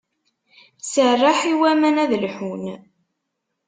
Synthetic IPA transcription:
sərˤːaħiwæmænæðəlħun

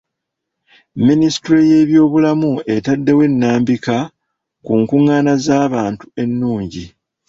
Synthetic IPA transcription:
minisi̥tɾeje̞ːβjo̞ːβulamue̞tadːe̞we̞nːaːmbika | kuŋkuŋːaːnazaːβaːntu̥e̞nːuːɲɟi

